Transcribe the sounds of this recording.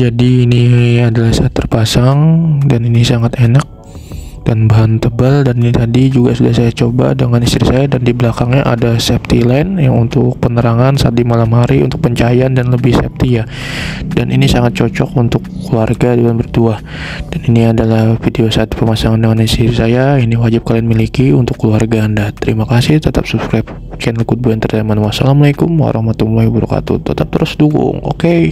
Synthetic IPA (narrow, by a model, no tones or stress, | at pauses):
d͡ʒadiːniadalahsaːt̪ːərpasaŋdaninisaŋat̪enak̚ | d̥anbaɦant̪əbaldaninit̪adid͡ʒuɡasudahsajat͡ʃoba̰dəŋanist̪ɾisajadandiblakaŋɲaʔa̰dasɛp̚t̪ilanjaŋunt̪ʊk̚pənəɾaŋansaat̪̚dimalamhaɾiṵnt̪ʊk̚pəɲt͡ʃajandanləbɪhsɛ̰p̚t̪ija | danʔinisaŋat̪̚t͡ʃɔt͡ʃɔkunt̪ʊkːluarɡadibanbərt̪uah | daniniadalahfideosat̪pəmasaŋandəŋaninst̪iɾisajainiwad͡ʒɪp̚kalianmilikiunt̪ʊkːəluarɡaːndat̪əɾimakasɪht̪ət̪ap̚subskɾap̚ | t͡ʃɛnlikʊt̪̚buant̪ərdamanwasa̰laməlajkʊmo̰ɾʔɔmat̪umulajbuɾṵka̰t̪ṵt̪ət̪ap̚t̪əɾʊsduɡʊ̰ŋo̰ke